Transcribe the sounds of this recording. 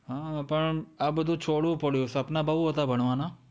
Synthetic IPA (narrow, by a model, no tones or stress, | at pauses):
ɦãːpɐɳɐbd̪ũt͡ʃʰoːɽũpɐɽjosɐpnabaːuɦoːt̪abɐɽ̃ʋaːnaː